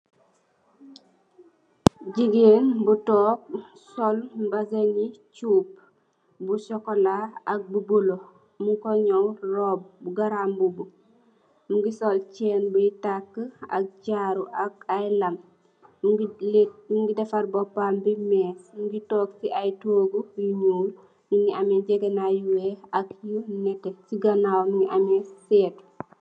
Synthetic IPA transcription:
ɟiɡenbutɔːk̚sɔlbazenit͡ʃuːp̚ | busɔkɔlaɐk̚bubulo | muŋkɔɲɔwrɔb̚buɡaɾambubu | muŋɡisɔlt͡ʃɛːnbujtakːa̰k̚d͡ʒaːɾuʔak̚ajlɐm | muŋɡidɛfaɾbɔpambimɛːsmuŋɡitɔːksiʔajtoːɡuiɲuːl | nuŋiamɛd͡ʒɟɛɡɐnajuweakjunɛtɛsiɡanawnuŋiʔamɛsɛːt

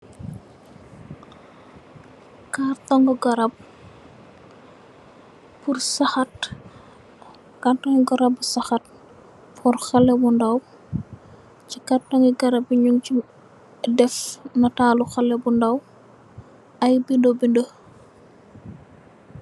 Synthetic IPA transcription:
kartɔŋɡɔɡɔɾɐp̚ | pursɐxɐt̚ | kantɔŋɡɔɾɐbːusɐxɐt̚ | fɔrxɐlːɛbundɐw | t͡ʃikartɔŋɡiɡɐɾɐb̚iɲuŋci | dɛfnɐtaːluxɐlːɛbundɐw | ɐjbindobində

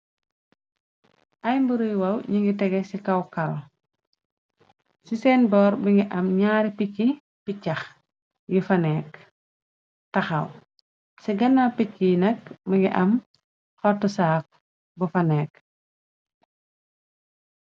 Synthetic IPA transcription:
ʔɐjmbuɾujwɐwɲiŋɡitɛɡɛsikɐwkɐɾɔ̰ | sisɛːnbɔːɾbiŋɡiʔɐmɲaːɾipikːi | picːɐx | jifɐnɛːk̚ | tɐxɐ̰w | siɡɐnːapicːinɐkmiŋɡiʔɐm | xɔtːusaːk̚ | bufɐnɛːk̚

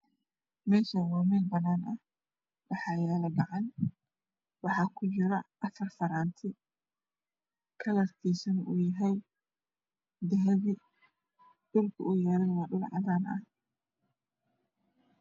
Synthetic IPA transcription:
mɛːʃawɔːmɛːlbɐnaːnʔɐ | bɑħɑːjɛːlɐbɑʕɑn | wɑħɑːkʰʊt͡ʃɪɾɐʔɐfɐrfɐɾaːnt̪ʰɪ | kʰɐlɐrkʰiːsɐnʊjɐɦɛj | d̪ɐɦɛβɪ | ɗʊlkʰɐʊjɛːlɛjwɑːɗʊlʕɑ̰ðaːnʔɐ̰h

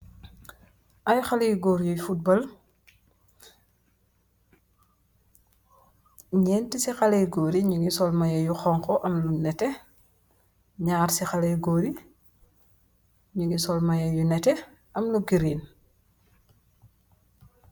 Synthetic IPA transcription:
ʔɐjxɐlijɡɔːɾjujfut̚bɔl | ɲɛːntisixɐlɛjɡoːɾiɲuŋɡisɔlmɐjɐjuxɔŋkɔʔɐmlunɛtɛ | ɲaːrsixɐlɛjɡoːɾi | ɲuŋɡisɔlmɐjɐjunɛtɛ | ʔɐmluɡiɾiːn

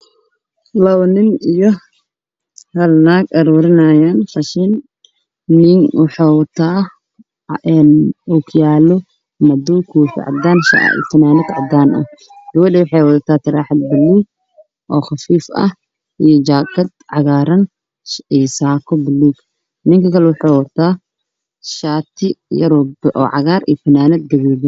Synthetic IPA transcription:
lɐwnɪnijɔ | hɐlnaːɡʔɐɾuːɾɪnɐjaːnfɐʃɪnː | ɪŋwɑħɑːwɐt̪ʰaː | ɛnukʰjaːlɔ | mɐd̪ɔkʰuːħɪ̰ʕɑ̰d̪aːnʃt̪ʰɐnaːnɪt̪ʕɑd̪aːnʔɐ̰h | ɡ̪̥ɐwɐd̪ɛwʊħɑːjwɐd̪ɐt̪ʰaːt̪ʰɐɾaːħɐd̪̚bɪlːuɡ̚ | ʔɔːxɑfiːfɐ̰h | ʔijɔt͡ʃaːkɐd̪ʕɑɣaːɾɐn | isaːkʰɔbɪluːɡ | nɪŋkʰɐkʰɐlɛwʊħɑːwɐt̪ʰaː | ʃaːt̪ʰɪjɐɾɔbʔɔ̰ːʕɑ̰ɣaːɾḭjfɐnaːnɐd̪̚ɡɐβɛːdɪ

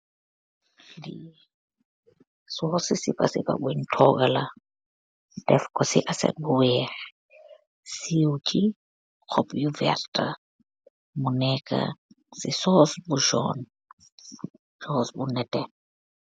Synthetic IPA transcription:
di | sɔsisipasiɸʼa̰bwin̩tʰɔkʼala | dɛfkʼɔsḭʔasɛ̰buwɛχɛ | siut͡ʃʼi | q͡χʰɔpʼjuvɛ̰rtʼa | munɛkʼa̰ | sisɔsbuʒɔ̰n | ʒɔsbunɛtʼɛn

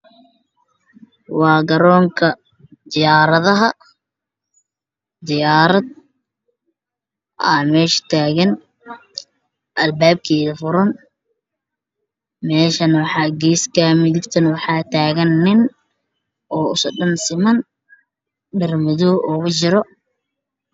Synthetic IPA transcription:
wɑːɡɐɾɔːŋkʰɐ | d̪ɪjaːɾɐðɐɦɐ | d̪ɪjaːɾɐd̪̚ | ʔamɛːʃt̪ʰaːɣɐn | ʔɐlbaːb̚kʰɛːðɐfʊɾɐn | mɛːʃɐnwɑħɑːɡiːskʰɐmɪðɪbt̪ʰɐnwɑħɑːt̪ʰaːɣɐnːɪn | ʔɔːʊsɔɖɐnsɪmɐn | ɖɪrmɪðɔʔʊɣʊt͡ʃɪɾɔ

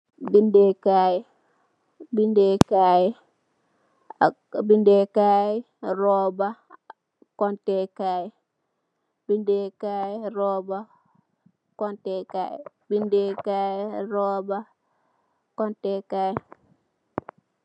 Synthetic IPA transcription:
bindɛkajɛ | bindɛkaːjɛ | bindɛkaːjɛ | ɾɔba | kɔntɛkajɛ | b̥indɛkaːjɛɾɔːba | kɔntɛka̰j | bindɛkaːjɛɾɔːba | kɔntɛkajɛ

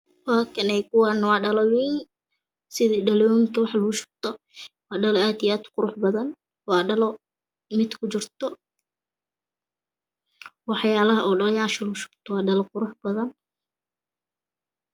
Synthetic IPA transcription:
wɑːkʰɐnɛjkʰʊwɑnɐwɑːɖɐlɐwɛn | sɪðiːɖɐlɔːŋŋkʰɐwɑħlʊɣʊʃʊ̥b̚t̪ʰɔ | wɑːɖɐlɔaːd̪ijaːd̪qʊɾʊħbɐðɐn | wɑːɖɐlɔ | mɪd̪kʰʊt͡ʃɪrt̪ʰɔ | wɑħjaːlɐɦɐʔɔːɖɐljaːʃɐlɣʊʃʊ̥b̚t̪ʰɔwɑːɖɐlɔqʊɾʊħbɐðɐn

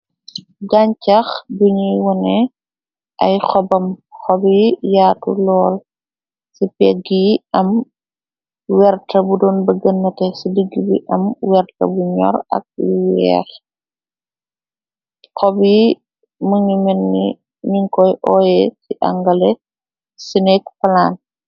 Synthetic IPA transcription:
ɡaɲcɐxduɲiwɔnɛ | ʔɐjxɔbɐmxɔbijaːtṵlɔːl | sipɛɡiʔɐm | wɛrtɐbudɔːnbɐɡɐnːɐtɛsidiɡːibiʔɐmwɛrtɐ̰buɲɔ̰ɾɐ̰k̚ḭwɛ̰ːx | xɔbi | muŋimɛnːḭ | ɲiŋkɔjʔɔːjɛsiʔɐ̰ŋɡɐlɛ | sinɛkfɐlaːn

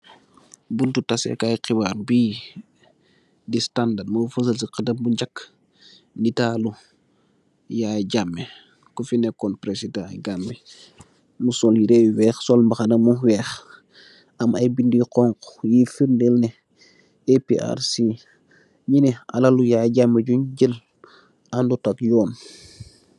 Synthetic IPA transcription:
buntutasɛ̰kajqibaːɾbiː | distandadməfəs̬əlsiqədɐmbuɲd͡ʒakː | nitaːlu | jaːjɟamːɛ | kufinɛkɔnpɾesidãjɡambi | musɔljiɾewwɛːxsɔlmbɐxɐnɐmuwɛːx | ɐmɐjbindiqɔŋkjifiɾndelnɛ | epiʔa̰ɾsi | ɲinɛɐ̰lɐlujaːjɟamːeɟuɲɟəl | andutɐkjɔːn

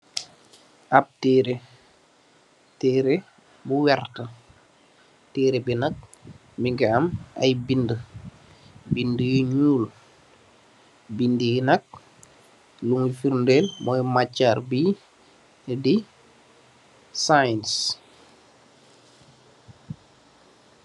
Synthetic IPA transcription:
ʔap̚tɛːɾe | tɛːɾe | buwɛrtə | teːɾebinɐk̚ | miŋɡɛama̰jbində | bindəjiɲuːl | bindəjinɐk̚ | luŋifiɾndelmɔjmat͡ʃːaːrbi | di | sajns

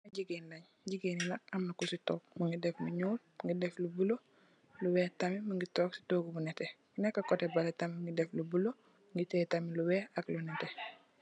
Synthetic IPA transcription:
aɟiɡenlɐɲ | ɟiɡeːnilakɐmnakusitɔːk̚muŋɡidɛfmuɲoːlŋɡidɛflubulo | luwɛːtamimuŋɡitoːksi̥toːɡbunɛte | nɛkːakotebaletamŋɡidɛflubulo | ŋɡitɛtamiluwɛːaklunɛte

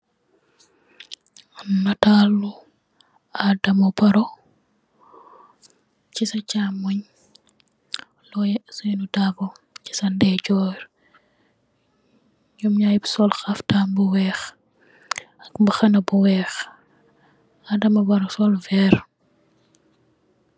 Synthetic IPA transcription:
nɐtalːu | adɐmɐbɐɾɔ | t͡ʃisɐt͡ʃaːmːuɲ | lɔjɛsɔjnudabɔ | ci̥sɐndɛɟɔɾ | jumɲaːjbsɔlxɐftaːmbuwɛːx | ɐkmbɐxɐnɐbuwɛːx | adɐmɐbɐɾɔsɔlvɛr

